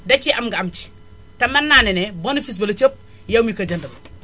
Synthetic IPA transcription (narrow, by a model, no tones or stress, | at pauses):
dɐt͡ʃiʔɐmɡɐɐmt͡ʃi̥ | tɐmɐnːaːnɛnɛbɐnɐfis̬bɐlɐt͡ʃop̚ | jɐwmikɐɟɐndɐl